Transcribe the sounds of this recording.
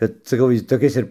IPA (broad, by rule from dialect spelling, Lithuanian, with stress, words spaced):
ˈkɐt sɐˈkɐʊ ˈjɪs toːˈkʲɪs ɪr